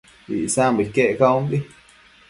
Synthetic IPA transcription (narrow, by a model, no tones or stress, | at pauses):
ḭʔsambikeʔkaumbi